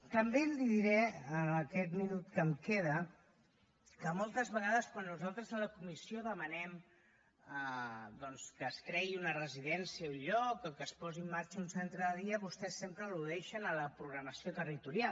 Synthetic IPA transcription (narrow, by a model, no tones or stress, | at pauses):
t̪əmbeliðiɾɛəːkɛt̪minut̪kəmkeðə | kəmɔlˠt̪əzβəɣaðəskwanːuzalˠt̪ɾəzðələkumisioðəmənɛm | d̪ɔnskəsk̪ɾɛɣiunərəziðɛnsiəuɲʎɔkəkəspɔziəmːaɾt͡ʃəunsɛnt̪ɾəðəðiəβust̪ɛsːempɾəluðɛʃənələpɾuɣɾəməsiot̪ərit̪uɾja